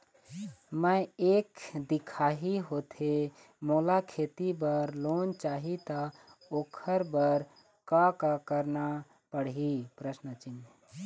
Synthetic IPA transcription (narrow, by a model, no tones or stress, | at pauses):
məjekd̪ikʰaɦiɦot̪ʰe | molakʰet̪ibəɾlont͡ʃaɦit̪ɔokʰəɾbəɾ | kakakəɾna | pəɽɦipɾəsnət͡ʃin